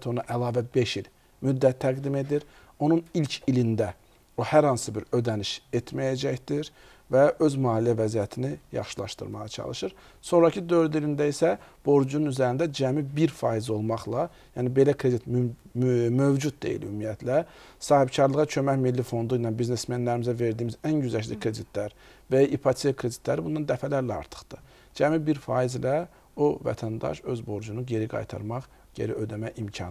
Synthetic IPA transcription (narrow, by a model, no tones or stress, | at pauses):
t̪ʰo̞nɑʔælˠɑːvæbe̞ʃil | myd̪ːæt̪ʰːæɡd̪ime̞d̪iɾ | o̞nunilʲcʰilind̪æ | ohæɾhɑnsɯbiɾø̞d̪æniʃet̪ʰmæjæd͡ʒæçd̪̥iɾ | væʔø̞zmɑːlijævæzijæt̪ʰinijɑ̰χʃɯlˠɑ̰ʃt̪ɯ̰ɾmɑʁɑt͡ʃʰɑ̰lˠɯʃɯɾ | so̞nɾɑcʰid̪ø̞ɾd̪ilind̪æisæb̥o̞ɾd͡ʒununyzæɾind̪æd͡ʒæmibiɾfɑːizo̞lˠmɑχlˠɑ | jjænibe̞lækʰɾe̞d̪it̪m | møvd͡ʒud̪̚d̪e̞̰ḭlymːijæt̪ʰlæsɑːhibcʰɑɾlˠɯʁɑt͡ʃʰø̞mæçmilːifo̞nd̪uinɑnbizne̞smænlæɾimizæve̞ɾd̪iːmizænɟyzæʃlḭkʰɾe̞d̪it̪ʰlæɾ | væʔipʰat̪ʰiekʰɾe̞d̪it̪ʰlæɾibund̪ɑnd̪æfælæɾlæɑ̰ɾt̪ʰɯ̥χd̪̥ɯ | d͡ʒæmibiɾfɑːizlæ | ovæ̰t̪ʰænd̪ɑ̰ʃø̞zbo̞ɾd͡ʒunuɟe̞ɾiɡɑ̰jt̪ʰɑ̰ɾmɑχ | ɟe̞̰ɾiød̪æmæʔimcʰɑ̰n